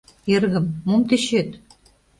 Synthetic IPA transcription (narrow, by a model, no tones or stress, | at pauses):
erɣɘ̆mːumt̪eɕet̪